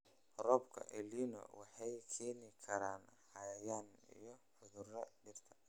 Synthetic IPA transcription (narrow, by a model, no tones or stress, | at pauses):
rɔːbkʰɐ̰ʔɛlinɔ̰wɑħɑjkʰɛːnɪkʰɐɾaːnhɐjɐjaːnḭjɞħʊðʊrɐɖɪrt̪ʰɐ̥